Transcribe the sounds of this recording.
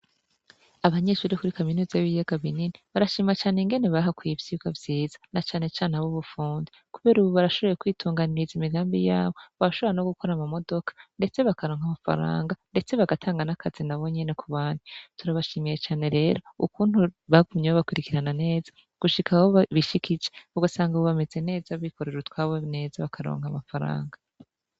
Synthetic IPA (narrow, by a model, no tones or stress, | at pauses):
aβaɲe̞ʃuːɾikuɾikaminuːzajβijeɡaβininiβaɾaʃiːmat͡ʃaːneŋɡe̞ne̞βaɦakwiivjiːɡwavjiːz̥ḁnat͡ʃaːnet͡ʃaːneaβuβufuːndi | kuβe̞ɾuβoβaɾaʃo̞βo̞jekwiːtʰuːŋɡaniɾizimiɡaːmbijaːβo̞βaɾaʃo̞βoɾeno̞ɡuko̞ɾamamo̞do̞kḁnde̞t͡se̞βakaɾoːŋ̥hamafa̰ɾa̰ːŋɡande̞t͡se̞βaɡatʰaːŋɡanakʰazinaβo̞ɲe̞ne̞kuβaːnutuɾaβaʃiːmije̞t͡ʃaːne̞ɾe̞ːɾo̞ukuːnhuβaɡumɲewoβakwiɾikiɾanane̞ːzḁ | ɡ̥uʃikawoβiʃikid͡ʒeuɡasaːŋɡaβoβame̞ze̞ne̞ːzaβiko̞ɾe̞ɾutkwaːβone̞ːzaβakʰaɾo̰ːŋ̥hamafaɾa̰ːŋɡa